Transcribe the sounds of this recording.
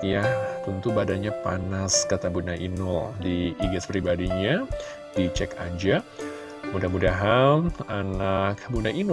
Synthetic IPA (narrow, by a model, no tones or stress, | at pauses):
jat̪unt̪ubadaɲapanaskat̪abunaʔinɔldiiɡɛspɾibadiɲa | d̥it͡ʃɛka̰ɲd͡ʒa | mudahmudaɦamanak̚bunaʔinʊ